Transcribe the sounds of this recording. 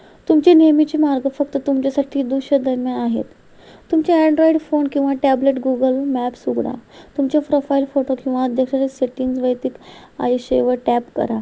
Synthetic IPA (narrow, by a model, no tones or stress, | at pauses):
t̪umt͡ɕenemit͡ɕimaɾɡəfək̚t̪ət̪umt͡ɕjasaʈʰiːd̪uɕəd̪əɾmjãaɦḛt̪ː | umt͡ɕaɛ̃ɳɖɾoiɖfonkĩw̃ʋaʈæbleʈɡuɡəlmæpsuɡɽa̰t̪umt͡ɕjapɾofailfoʈokĩw̃ʋaːd̪ʱjakɕaɾeseʈiŋd͡zʋəjt̪ik | a̰jɕeʋəʈæpkə̰ɾa